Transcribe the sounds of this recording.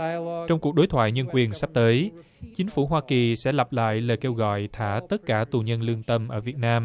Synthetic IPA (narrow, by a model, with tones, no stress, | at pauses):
t͡ɕɔ˧wŋ͡mku˨˩ək̚ɗo˨˦jt̪ʰwa̰ː˧˨jɲə˧nkwi˨˩ənsa˦˥p̚t̪əː˨˦j | t͡ɕi˨˦ŋ̟fu˧˩ɦwaː˧ki˨˩sɛ̰˧˥la˨˩p̚la̰ː˧˨jle˨˩ke˧wɣɔ̰˧˨jt̪ʰaː˧˩t̪ə˦˥t̚kaː˧˩t̪u˨˩ɲə˧nlɨ˧əŋt̪ə˧mʔəː˧˩vi˨˩ət̚naː˧m